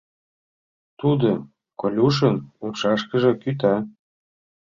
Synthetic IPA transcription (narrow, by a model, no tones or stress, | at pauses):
t̪ud̪o | kolʲuʃ̬ənupʃɑʃkə̆ʒɤ̆kyt̪̬ɑ